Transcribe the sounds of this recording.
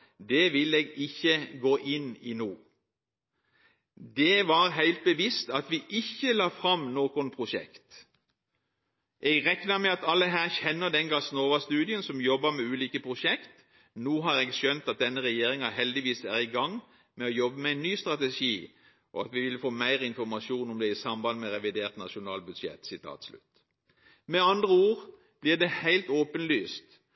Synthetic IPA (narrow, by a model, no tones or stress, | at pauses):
d̪ɛʋɪlɛːɡɪçːəɡoːʔɪnːɪnuː | d̪ɛʋɑʁɦæɪlt̪̚bəʋɪst̪ɑt̪ʋɪʔɪçːəlɑːfɾɑmnoːkʊnpʰʁʊʃɛ̰kt̪ | ʔɛɡʁɛknəmɛɑt̪ɑlːəɦæːʁçɛnːəd̪ɛnɡɑsnoːʋɑst̪ʉːd̪ɪənsɔmjɔbːɑmɛʉːliːkəpʰʁʊʃɛkt̪ | nuːɦɑɾeːɡʃœnt̪ɑt̪̚d̪ɛnːəʁɛjeːɾɪŋɑɦɛld̪ɪʋiːsæːʁɪɡɑŋː | mɛɔjɔbːəmɛæɪnːyːst̪ʁɑt̪ɛʃiː | ʔɔɑt̪ʋɪʋɪlfoːmæɪʁəɪnfɔʁmɑʃuːnɔmd̪ɛɪsɑmbɑnmɛʁɛʋɪd̪eːʁt̪nɑʃʊnɑːlbʉd̪ʃjɛ̰t̪ːsɪt̪ʰɑ̰ːt̪slʉ̰t̪ | mɛɑnd̪ʁəuːʁ | b̥lɪd̪ɛhæɪlt̪oːpənlyːst̪